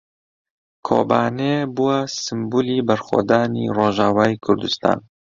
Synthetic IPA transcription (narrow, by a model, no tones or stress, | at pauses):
kʰo̰ːbaːnebuwasɨmbuːliːbɐɾxa̰d̪aːnḭroːʒaːwaːikʰʊɾd̪ɨst̪ɑ̰ːn